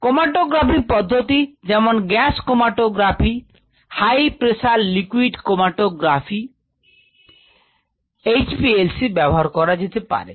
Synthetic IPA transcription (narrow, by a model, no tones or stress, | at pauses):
komaʈoɡɾapipɔd̪ʱːot̪id͡ʑɛmonɡɛskomaʈoɡɾapʰi | hajpɾeʃallikwiɖkomaʈoɡɾafʰi | ejt͡ɕpielsibɛboɦaɾkɔɾad͡ʑet̪epa̰ɾḛ